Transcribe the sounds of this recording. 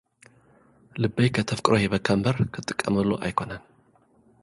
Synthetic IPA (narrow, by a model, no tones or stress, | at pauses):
lɨbːɐjkʰɐt̪ʰɐfkʼɾʔojɛβɐkʰːɐmbɐɾkʰɨt̪ʼːɨkʼːɐ̰mɨlːoʔa̰jkʰo̞nan